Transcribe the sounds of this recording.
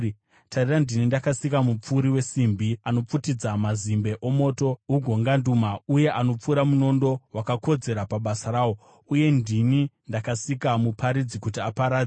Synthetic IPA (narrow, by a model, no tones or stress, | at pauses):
tʰarirandinindakasikamup͡fuɾiwe̞simbiano̞p͡futid͡zamazimbe̞ʔo̞mo̞ːto̞uɡʱo̞ŋɡandumauje̞ʔano̞p͡fuɾamuno̞ndo̞wakako̞d͡ze̞ɾapaɓasaɾaːwo̞ | uje̞ndinindakasikamupʰaɾid͡zikutiapaɾaːd͡ze